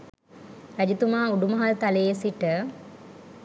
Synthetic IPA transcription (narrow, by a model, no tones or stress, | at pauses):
ɾɐd͡ʒit̪umaːuɖumɐɦalt̪ɐlejesiʈə